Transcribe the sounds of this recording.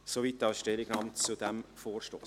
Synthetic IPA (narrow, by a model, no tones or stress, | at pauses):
soviːt̪ːɑlsʃtɛlɪɡnɑmtt͡sud̪ɛmfoːɾʃtoː